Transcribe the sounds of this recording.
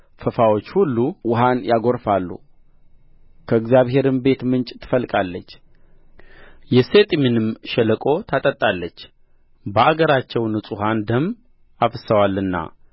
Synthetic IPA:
fəfawo̞t͡ʃːhulːuwʊɦanjaɡo̞ɾfalːṵ | kʰəɨɡzjaβɦe̞ɾɨmbe̞t̪mɨnt͡ʃʼt̪ʰɨ̥fəlkʼalːət͡ʃː | jɛset̪ʼminɨmʃɛləkʼo̞t̪ʰat̪ʼət̪ʼːalːət͡ʃː | bəaɡəɾat͡ʃːɛwnɨsʼuɦand̪əm | afəsəwalːɨnːa̰

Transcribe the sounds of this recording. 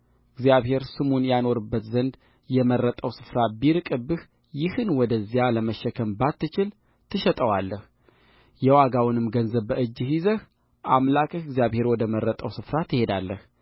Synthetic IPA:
ɨɡzjaβhe̞ɾsɨmunjano̞ɾɨbːət̪zənd̪ | jɛmərːət̪ʼəwsɨ̥fɾabiɾɨkʼɨbːɨh | jɪhɨnwɔd̪əzːijaləməʃːɛkʰəmbat̪ːɨt͡ʃɪl | t̪ʰɨʃɛt̪ʼəwalːəh | jɛwaɡawʊnɨmɡənzəβːəɨd͡ʒːɨhizəh | ʔamlakʼɨhɨɡzijaβhe̞ɾwɔd̪əməɾːət̪ʼəwsɨfɾat̪ʰɨhe̞d̪alːəh

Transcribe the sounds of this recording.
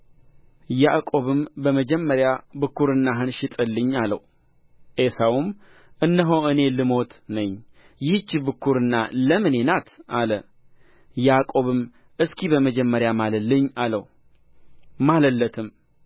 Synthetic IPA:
jakʼo̞βɨmbəməd͡ʒɛmːəɾjabɨkʰːuɾɨnːaɦɨnʃɪt̪ʼɨlːɨɲːalə̰w | ʔesawum | ʔɨnːəɦoʔɨne̞lɨmo̞t̪nəɲː | jɪht͡ʃːibɨkʰːuɾɨnːa̰ləmɨne̞nat̪ʰʔalə | jakʼo̞βɨm | ʔɨskʰibəməd͡ʒɛmːəɾjamaləlɨɲːalə̰w | maləlːət̪ʰɨm

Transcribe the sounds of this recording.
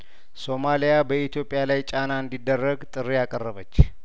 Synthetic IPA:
so̞malijabəit̪ʰjo̞pʼɪjalajt͡ʃʼanaɨnd̪id̪ːərːəɡt̪ʼɨrːijakʼərːəβət͡ʃː

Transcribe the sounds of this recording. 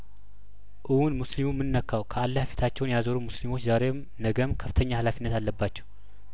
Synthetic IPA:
ʔɨwunmuslimumːɨnːəkʰːawkʰəalːafi̥t̪ʰat͡ʃːɛwnjazəɾumuslimo̞t͡ʃːzaɾem | nəɡəmkʰəft̪ʰəɲːahalafinːət̪alːəbːat͡ʃːɛw

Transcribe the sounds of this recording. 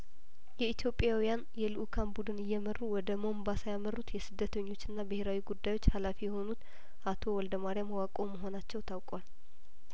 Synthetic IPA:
jɛit̪ʰjo̞pʼjawijanjɛlɨʔukʰanbud̪ɨnɨjːɛmərːuwɔd̪əmo̞mbasajamərut̪jɛsɨd̪ːət̪ʰəɲːo̞t͡ʃːɨnːabɨhe̞ɾawiɡud̪ːajo̞t͡ʃːhalafijɛho̞nut̪ | ʔat̪ʰo̞wɔld̪əmaɾijamwakʼo̞məɦo̞nat͡ʃːɛwt̪ʰawkʼwal

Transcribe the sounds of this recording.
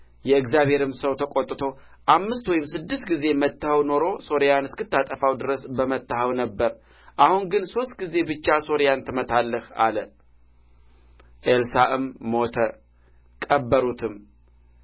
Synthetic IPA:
jɛɨɡzjaβhe̞ɾɨmsəwt̪ʰəkʼo̞t̪ʼːt̪ʰo̞ | ʔamːɨst̪wɔjɪmsɨd̪ːɨst̪ɡize̞mət̪ːəhəwno̞ɾo̞so̞ɾjanɨskɨt̪ːat̪ʼəfawd̪ɨɾəsbəmət̪ːəhəwnəbːəɾ | ʔahuŋɡɨnso̞st̪̚ɡize̞bɨt͡ʃːaso̞ɾejant̪ʰɨmət̪ʰalːəha̰lə | ʔelsaʔɨmːo̞t̪ʰə | kʼəbːəɾut̪ʰɨm

